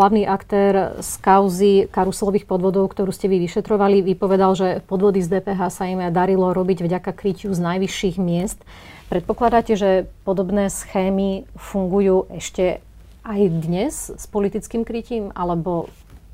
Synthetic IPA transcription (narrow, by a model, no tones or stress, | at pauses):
laʊniːʔakt̪ɛːɾskaʊzikaɾusɛlɔʋiːxpɔd̪ʋɔd̪ɔʊkt̪ɔɾuːscɛʋiʋiʃɛt̪ɾɔʋaliʋipɔʋɛd̪alʒɛpɔd̪ʋɔd̪izd̪ɛːpɛːɦaːsaimd̪aɾilɔɾɔbiɟvɟakakɾicuznajʋiʃːiːɣmɪɛst̪ | pɾɛt̪pɔklad̪acɛʒɛpɔd̪ɔbnɛːsxɛːmifuŋɡujuːʔɛʃcɛ | ajd̪ɲɛzspɔlit̪it͡skiːmkɾiciːma̰lɛbɔ